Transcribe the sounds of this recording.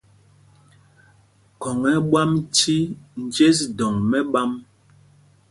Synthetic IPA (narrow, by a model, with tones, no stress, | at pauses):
kɔ˨ŋɛ˨˦ɓwa˦mti˦n̩˨d͡ʒe˦s̬dɔ˨ŋmɛ˦ɓa˦m